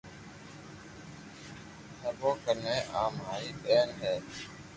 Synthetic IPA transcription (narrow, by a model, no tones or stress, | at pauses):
həbõːkəneːʔaːmɦaːiːɓeːnɦeː